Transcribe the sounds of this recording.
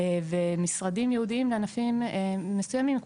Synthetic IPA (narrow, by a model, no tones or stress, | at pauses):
vemisʁadimjeud̪iimleanafimːesujamimk